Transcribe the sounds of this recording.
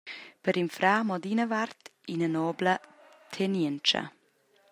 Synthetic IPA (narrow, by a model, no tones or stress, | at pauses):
pəɾinfɾaːmɔd̪inəvaɾt̪inənɔːblə | t̪ʰɛnɛnt͡ʃə̰